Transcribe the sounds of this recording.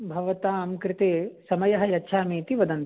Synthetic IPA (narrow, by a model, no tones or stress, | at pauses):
bʱɐʋɐt̪aːmkɾɪt̪eːsɐmɐjɐɦɐ̆jɐtːʰaːmiːt̪iʋɐd̪ɐnt̪